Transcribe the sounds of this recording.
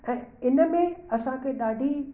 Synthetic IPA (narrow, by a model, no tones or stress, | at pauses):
ɛ̃ːɪnə̆mẽɐsãkʰeɗaːɖʱi